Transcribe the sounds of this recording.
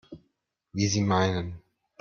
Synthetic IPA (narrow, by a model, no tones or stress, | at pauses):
wizimaɪnə̃n